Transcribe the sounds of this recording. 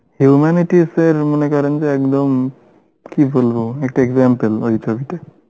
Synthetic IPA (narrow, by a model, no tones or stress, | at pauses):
hjumaniʈiseɾmɔnekaɾɔnd͡ʒeɛkd̪ɔm | kibʱolbɔɛk̚ʈaeɡzampelojt̪ʰɔbit̪e